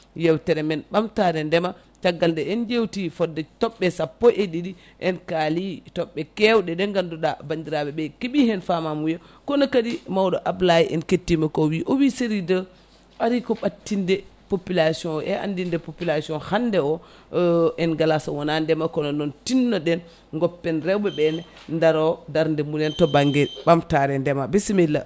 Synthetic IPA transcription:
jɛwtɛɾɛmɛnɓamtaɾɛndɛma | t͡ʃaɡːaldɛɛnd͡ʒewtifɔdːɛtɔɓːɛsapːɔʔedidi | ʔɛnkalitɔɓːɛkɛwɗɛdɛŋɡanduɗabandiɾaɓɛbɛkiɓihɛnfamamujɔkɔnɔkadimawɗɔʔablajiʔɛnketːimɛkɔwiʔɔwiseɾidə | aɾikɔɓatːindɛpopilasiɔnʔɛʔa̰ndindɛpopilasiɔnhandɛɔ | ɛnɡalasawɔnandɛmakɔnɔndɔntinːɔɗɛn | ŋɡɔpːɛnɾɛwbɛbɛn | ndaɾɔdaɾndɛmulɛntɔbaŋɡɛbamtaɾɛndɛmabesimɛlːa̰

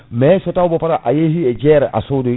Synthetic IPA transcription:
mɛsɔtaubɔfaɾaʔajesied͡ʒɛɛɾɛʔa̰sodo

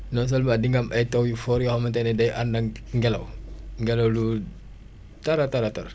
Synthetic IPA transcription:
nos̬olmadiŋɡamʔatawjufoɾjoxomantenedajʔandaŋŋɡela̰wŋɡelawlu | taɾataɾataɾ

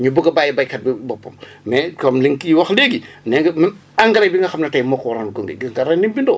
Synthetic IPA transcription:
ɲubuɡɐbaːjibɐjkɐt̚bibɔpːɐm | mɛkɐmliŋkiwɐxleɡi | nɛŋɡɐmɐn | ɐŋɡɐɾɐjbiŋɡɐxɐmnɐtɐjmɔkɾɐnɡoŋɡḭɡiɡɐɾɐnimbindɔ̰

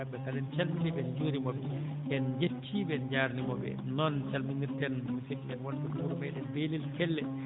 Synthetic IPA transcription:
aɓɛtalɛnt͡ʃalminiɓɛnd͡ʒuːɾimɔbɛ | ʔɛnd͡ʒet͡ʃʰːiɓɛnd͡ʒaːɾnimɔbɛ̰nɔnt͡ʃalminiɾtɛnmusitnɛnwɔntɛkuɾumɛɗɛnbelilkɛlːɛ

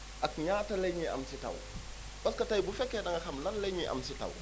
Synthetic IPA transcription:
ʔɐkɲaːtɐlejɲiʔɐ̰msitɐ̰w | bɐskɐtɐjbufɛkːɛɗɐŋɡɐxɐmlɐnleɲiʔa̰msitɐ̰w

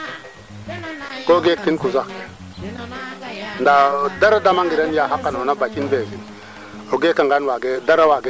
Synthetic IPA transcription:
koɡekːinkuzak | ndadaɾadamaŋɡiɾenjaɦakːanonabat͡ʃinbezin | oɡekaŋɡanwaɡedaɾawaɡe

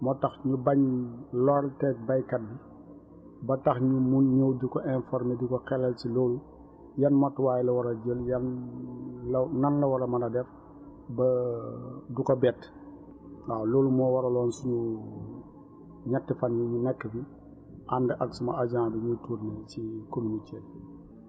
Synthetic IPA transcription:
mɔtɐxɲubɐɲlɔltɛk̚bɐjkɐt̚bi | bɐtɐxɲumunɲəwdukɔʔɛnfɔɾmedukɔxɛlːɐlcilɔːlu | jɐnmɔtːwaːjɛlɐwɐɾɐɟəljɐn | lɐnɐnlɐwɐɾɐmɐnɐdɛɾ | bɐ | dukɔbɛːt | awloːlumɔːwɐɾɐlɔːnsuɲu | ɲɐtːifɐnjuɲunɛkːəfi | ʔandɛʔɐksumɐad͡ʒaːnduɲutuɾnicikominiteː

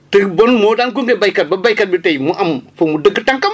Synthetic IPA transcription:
təbonmoɗank̬uŋɡebajkat̚babajkat̚bitejmuʔamfomudəɡətaŋkam

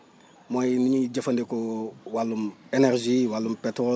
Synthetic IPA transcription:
mojimiɲiɟafandekowalːumeneɾʒiwalːumpetɾo

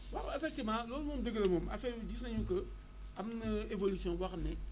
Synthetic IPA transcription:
wakefek̚timalolmumdəɡəlemoma̰fedisãɲukə | amnaevolisiõwaknɛ

